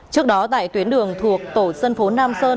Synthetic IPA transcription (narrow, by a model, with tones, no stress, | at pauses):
t͡ɕɨ˦˥ək̚ɗɔ˨˦t̪a̰ː˧˨jt̪wi˨˦ənɗɨ˨˩əŋt̪ʰu˨˩ək̚t̪o˧˩sə˧nfo˨˦naː˧msəː˧n